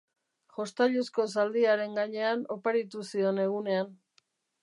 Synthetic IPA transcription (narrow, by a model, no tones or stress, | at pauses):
ʝo̞st̪aʎusko̞s̬ald̪iaɾe̞ŋɡaɲe̞ano̞paɾit̪usio̞ne̞ɣ̞une̞an